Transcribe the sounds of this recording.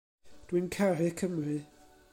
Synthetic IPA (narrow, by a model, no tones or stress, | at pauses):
d̥winkʰarɪkʰəmrɨ